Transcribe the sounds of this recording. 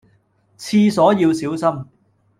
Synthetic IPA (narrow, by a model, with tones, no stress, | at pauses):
t͡sʰiː˧sɔː˨˥jiː˧wsiː˨˥wsɐ˥m